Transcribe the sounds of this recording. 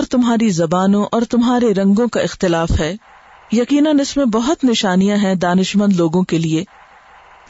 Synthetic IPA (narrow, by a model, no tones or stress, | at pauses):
ɔːɾt̪ʊmɦaːɾizɐbaːnõʔɔːɾt̪ʊmɦaːɾeɾɐ̃ŋɡõkaɪxt̪ɪlaːfɦɛː | jɐkiːnənɪsmẽbɐɦʊt̪nɪʃaːnijãɦɛ̃d̪aːnɪʃmə̃nd̪loːɡõkelieː